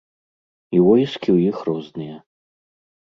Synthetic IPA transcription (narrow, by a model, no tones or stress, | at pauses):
ivɔjiskʲiwjixrɔznɨjɛ